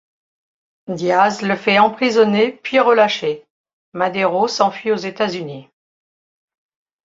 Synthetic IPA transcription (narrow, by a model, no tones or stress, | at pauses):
d̪jazləfɛɑ̃pχizɔnepɥiʁəlaʃe | mad̪eʁosɑ̃fɥiozet̪azyni